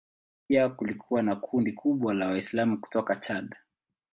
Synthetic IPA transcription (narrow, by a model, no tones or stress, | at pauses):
akulikʰuwanakʰundikʰuɓwalawaislamuku̥tɔkat͡ʃaɗa